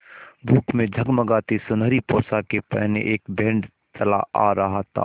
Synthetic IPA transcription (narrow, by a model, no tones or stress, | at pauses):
bʱuːkmẽd͡ʒʱəɡməɡaːt̪isʊnəɾipɔːsakepɛ̰ɦnḛʔeːkbẽːɳɖ | t͡ʃɐla̰a̰ɾɐɦat̪ʰa̰ː